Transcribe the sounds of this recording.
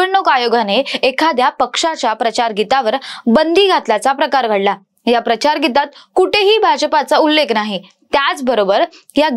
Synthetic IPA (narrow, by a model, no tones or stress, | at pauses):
əɾɳokajoɡaneekʰad̪japəkʂat͡ɕapɾət͡ɕaɾɡit̪aʋəɾbənd̪iːɡʱat̪lat͡sapɾəkaɾɡʱəɽla | japɾət͡ɕaɾɡit̪at̪̚kuʈeɦiːbʱaɕəpat͡saulːeknaɦi | t̪jat͡sbəɾobəɾ | ja